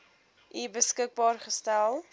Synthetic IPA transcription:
ʔibəskək̚bɑːrχəstælˠ

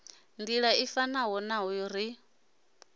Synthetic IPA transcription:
ndiɺaifanaɦɔnaɦɔjɔɾi

